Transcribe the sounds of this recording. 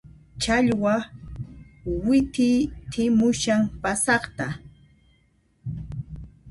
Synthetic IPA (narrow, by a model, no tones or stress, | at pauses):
t͡ʃaʎwa | wɪt̪ɪjt̪ʰɪmʊʃaŋpasɑχt̪a